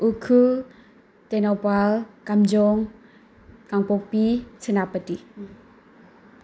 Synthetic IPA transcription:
ʔukʰu | t̪ɛnɔpalkamd͡ʒɔŋ | kaŋpopit͡sʰənapəti

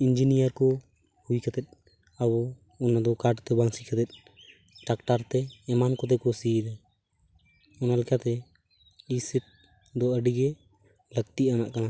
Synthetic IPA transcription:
ind͡ʒinijəɾkɔ | huikɛt̪ɛt̪̚ˀ | abɔ | unːad̪ɔkaɖt̪ɛbaŋsikɛt̪ɛt̪̚ˀ | ʈakʈaɾt̪ɛːmankɔt̪ɛkɔsid̪a | ɔnalɛkat̪ɛ | isiʈ̚ | d̪ɔəɖiɡɛ | ləkt̪iʔana̰ʔkana

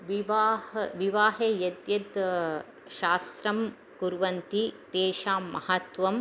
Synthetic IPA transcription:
ʋiʋaːhɐʋiʋaːɦeːjɐd̪jɐt̪ | ʃaːst̪ɾɐm | kuɾʋɐnt̪it̪eːʃaːmːɐhɐt̪ʋɐm

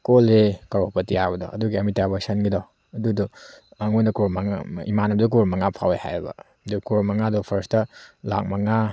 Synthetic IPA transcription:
kolekɐɾopɐtijabɐdɔ̰ʔɐduɡiɐmitabɐsɐnɡidɔ | ɐdudɔɐŋojnɐkoɾmɐŋ̰imanɐbdɔk̬oɾmɐŋapʰawḛha̰jbɐ̰ | dukoɾmɐŋadɔpʰɐɾstɐla̰k̚mɐŋa

